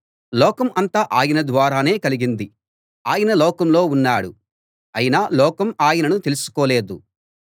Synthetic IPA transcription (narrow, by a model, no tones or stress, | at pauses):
lɔːkɐmʔɐnt̪aːʔaːjɐnɐd̪ʋaːɾaːne̞ːkɐliɡind̪i | aːjɐnɐlɔːkɐmlo̞ːunːaːɽu | ɐjinaːlɔːkɐmaːjɐnɐnut̪e̞lusu̥koːle̞ːd̪u